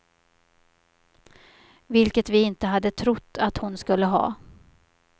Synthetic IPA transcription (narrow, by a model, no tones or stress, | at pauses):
vɪlkət̪vɪɪnt̪əɦad̪ːət̪ʰɾʊt̪ːat̪hʊnskɵlːəɦɑ̰ː